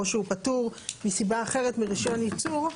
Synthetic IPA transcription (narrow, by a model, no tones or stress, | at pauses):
oʃeupatuʁmisibaːχe̞ʁetmiʁiʃo̞nit͡suʁ